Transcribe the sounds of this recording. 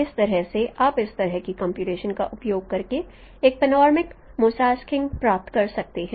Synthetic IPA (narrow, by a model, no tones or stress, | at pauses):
ɪst̪ɐɾəɦseʔaːpɪst̪ɐɾəɦkikɐ̃ːmpjuːʈeːʃənkaʔʊpjoːɡ̚kɐɾke | eːk̚pɛnɔːɾmɪkmuːsaːskɪ̃ŋɡpɾaːp̚t̪kɐɾsɐk̚t̪eɦɛ̃ː